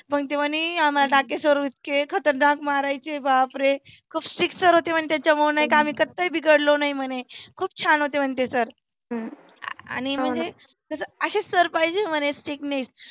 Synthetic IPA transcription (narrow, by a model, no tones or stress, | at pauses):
pəɡt̪eʋəniam̤alaɖakesəɾuit̪̚kekʰət̪əɾɖãkmaɾajt͡ɕebʱapɾe | kʰuːpsʈɾik̚səɾɦot̪emənt̪jat͡ɕəməwnaɦikaam̤iːkət̪ːəjbʱiɡəɽlonaim̤əɽ̃ekʰuːb̚t͡ɕʰanɦot̪em̤əɳt̪esəɾ | a̰ñim̤əɳd͡ze | kəsəəɕesəɾpaɦid͡ʑem̤əñesʈikneks